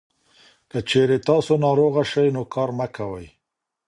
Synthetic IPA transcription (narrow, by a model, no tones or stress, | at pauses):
kət͡ʃeɾet̪ɑsonɑɾoɣaʃajnokɑɾmakawəj